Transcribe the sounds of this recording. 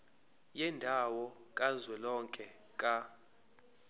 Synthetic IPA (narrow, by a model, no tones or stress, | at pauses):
jɛndʱawɔkʼazwɛlɔŋkʼɛ | kʼa